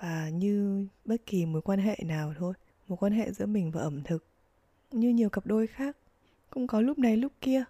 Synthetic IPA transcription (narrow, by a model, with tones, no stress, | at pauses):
vaː˨˩ɲɨ˧ɓə˦˥t̚ki˨˩mo˨˦jkwaː˧nɦḛ˧˨naː˨˩wt̪ʰo˧j | mo˨˦j̚kwaː˧nɦḛ˧˨zɨ̰˧˥əmï˨˩ŋ̟vaː˨˩ʔə˧˩mt̪ʰɨ˨˩k̚ | ɲɨ˧ɲi˨˩əwkə˨˩p̚ɗo˧jxaː˦˥k̚ | kʊ̰˧˥wŋ͡mkɔ˨˦lʊ˦˥k͡p̚na˨˩jlʊ˦˥k͡pp̚ki˧ə